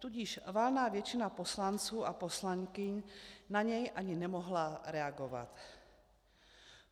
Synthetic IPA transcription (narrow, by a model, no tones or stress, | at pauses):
t̪uɟɪʃvalnaːvjɛt͡ʃɪnaposlant͡suːʔaposlaŋkɪɲnaɲɛjʔaɲɪnɛmoɦlaɾɛaɡova̰t̪